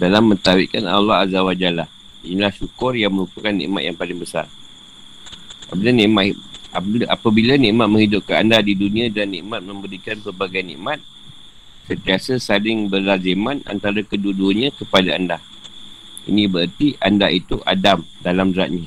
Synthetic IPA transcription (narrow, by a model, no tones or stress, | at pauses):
dalamːə̃nt̪awɪʔ̚kana̰lːɔɦazawad͡ʒalah | inilahʃukʊrjaŋməɾupəkanːḭ̃ʔma̰t̪̚jaŋpalɪŋbəsa̰r | a̰bəlanĩʔmaaapabilanĩʔmat̪̚mə̃ŋhidʊp̚kaandadidunĩãdanḭ̃ʔmat̪̚mə̃mbəɾikanpərbaɡajnḭ̃ʔmat̪̚ | sənt̪iasəsalɪŋbəlazemãna̰nt̪aɾakəduduɲãkəpadaandah | ḭnĩbəərt̪iʔandait̪uʔa̰damdalamdəɾaʔ̪̚ɲã